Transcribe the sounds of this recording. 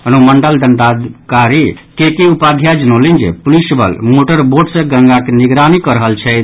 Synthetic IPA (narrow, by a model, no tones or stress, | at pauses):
ɦənoməɳɖəld̪ənd̪ad̪kaɾikekeupad̪ʱjad͡ʒənolind͡ʒḛpulisbə̰lmoʈəɾboɖsə̃ɡə̃ŋɡakeniɡɾanikəɾəɦəlt͡ʃʰɛt̪